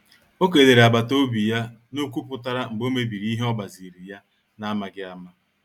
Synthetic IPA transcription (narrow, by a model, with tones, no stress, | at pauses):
o˦k̬e˨de˨ɾe˨a˨ba˨to˦bi˨ja˦ | nu˦ku˦pʊ˨ta˦ɾa˦ŋ͡m̩˨ɡ͡bo˦me˦bi˨ɾi˦i˦ɦe˦ɔ˦ba˨zi˨ɾi˨ja˦ | na˦ma˨ɡɪ˦a˦ma˦